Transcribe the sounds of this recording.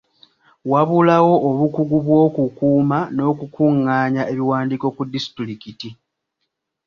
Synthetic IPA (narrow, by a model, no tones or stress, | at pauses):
waβulawo̞ːβukuɡuβwo̞ːkukuːmano̞ːkukuŋːaːɲaʔe̞βiwaːndiko̞kudːisi̥tlikiti